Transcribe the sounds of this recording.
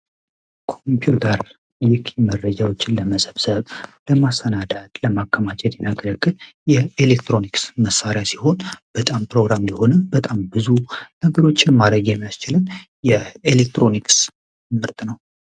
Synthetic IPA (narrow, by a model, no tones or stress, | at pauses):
kʰompʰiut̪ʰəɾ | jɪkʰimərːəd͡ʒawot͡ʃːɪnləməsʼəβsəβləmasənad̪at̪ʼləmakʰːəmat͡ʃʼɛt̪jɛnaɡələkːɨl | jɛelekt̪ɾo̞niksməsːaɾjasiho̞nb̥ət̪ʼampɾo̞ɡɾamləho̞nəbət̪ʼambɨzunəɡəɾo̞t͡ʃːɪnmad̪əɡjɛmːijast͡ʃɪlɨn | jɛelek̚t̪ɾo̞niks | mɨɾt̪ʼnəw